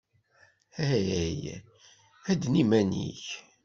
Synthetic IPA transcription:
æj | æd̪nimænḭç

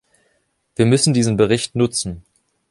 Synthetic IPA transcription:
v̥iːɐmʏsn̩diːzənbəʁɪçtnʊt͡sn̩

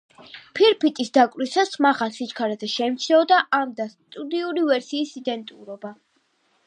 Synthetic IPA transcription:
pʰiɾpʰit̪ʼisd̪akʼɾisasmaχasit͡ʃkʰaɾad̪zɛʃɛimt̪t͡ʃ̪ʰlɛɔd̪aʔamd̪ast̪ʼud̪iuɾivɛɾsiːsid̪ɛnt̪ʼṵɾɔba

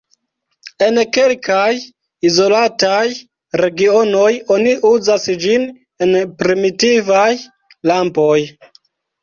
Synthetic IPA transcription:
e̞nke̞lkaj | izo̞lataj | ɾe̞ɡio̞no̞jo̞niʔuzasd͡ʒin | e̞npɾimitivaj | lampo̞j

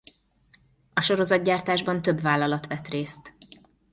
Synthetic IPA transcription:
ɒʃo̞ɾo̞zɒd̪̚ɟaːrt̪aːʒbɒnt̪øbvaːlːɒlɒt̪ʋɛt̪reːst̪

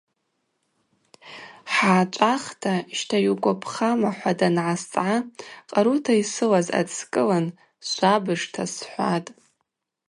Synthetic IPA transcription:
ħaːt͡ʃʷʼaχtʰaʃtʰajuɡʷʼapʰχamaħʷadanʕast͡sʼʕaqʼaɾutʰaisɨlaza̰t͡skʼɨlan | sʷabɨʐtʰasħʷatʼ

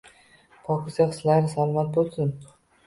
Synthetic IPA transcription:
pʰɒkʰʲɪsɡʲaqɨ̥slaɾɾɪsalˠɒmat̪̚bolˠsɪn

